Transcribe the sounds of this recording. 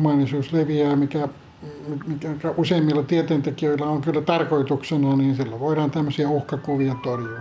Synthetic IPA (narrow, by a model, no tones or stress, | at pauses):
mɑːnisuːsleʋiæːmikæ | mimikækæʔuseːmːilːɑt̪iet̪eːnt̪ekiøilːɑoŋkylːæt̪ɑrkoit̪uksenɑniːnsilːæʋoiɾɑːnt̪æmːøsiɑuhkɑkuʋiɑt̪orjuɑ